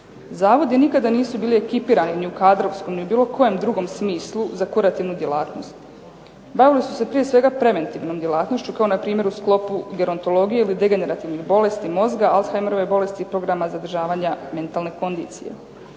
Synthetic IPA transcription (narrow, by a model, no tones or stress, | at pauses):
zaːʋo̞d̪jenikad̪aniːsubiːlie̞kipiːɾaniniukaːd̪ɾo̞ʋsko̞mniubiːlˠo̞kʰo̞je̞md̪ɾuɡo̞msmiːslˠuzakuɾat̪iʋnud̪je̞lˠaːt̪no̞st̪ | baʋilisu̥se̞pɾije̞sʋe̞ɡapɾe̞ʋe̞nt̪iːʋnomd̪je̞lˠaːt̪noʃt͡ɕukao̞napɾiːmje̞ɾusklˠo̞puɡe̞ɾo̞nt̪o̞lˠo̞ɡijeilid̪e̞ɡe̞ne̞ɾat̪iʋnixbo̞le̞st̪imo̞zɡaalsxajmeɾo̞ʋebo̞le̞st̪iːpɾo̞ɡɾamazad̪r̩ʒaːʋaːɲame̞nt̪aːlˠne̞ko̞nd̪ḭːt̪sḭje̞̰